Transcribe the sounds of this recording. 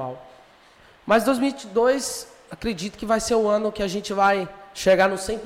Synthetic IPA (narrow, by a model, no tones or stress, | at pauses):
a̰w | mɐzd̪ojzmiwt͡ʃd̪ojs | akɾed͡ʒit̪ʊ̥kɪvajseɾʊɐ̃nʊkɪaʒẽnt͡ʃɪvajʃeɡanʊsẽp